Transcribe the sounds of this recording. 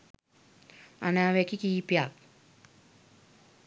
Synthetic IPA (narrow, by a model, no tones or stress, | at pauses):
a̰naːʋɛkikiːpjak